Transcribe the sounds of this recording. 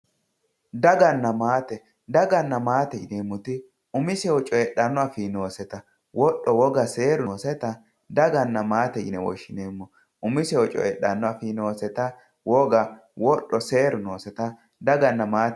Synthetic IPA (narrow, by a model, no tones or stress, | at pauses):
d̪ɐɡɐnːɐmaːt̪ɛ | d̪ɐɡɐnːɐmaːt̪ɛɪ̰neːmːʊt̪ɪ | ʊmɪsɛwɔt͡ʃʼɔɛɗːɐnːɔɐfino̞ːsɛt̪ɐ | wɔɗːɔwɔɡɐse̞ːɾːsɛt̪ɐ | d̪ɐɡɐnːɐmaːt̪ɛɪ̰nɛwɔ̰ʃːɪneːmːɔ | ʊmɪsɛwɔt͡ʃʼɔ̰ɛɗːɐnːɔɐfiːno̞ːsɛt̪ɐ | wɔɡɐ | wɔɗːɔse̞ːɾʊnoːsɛt̪ɐ | d̪ɐɡɐnːɐmaːt̪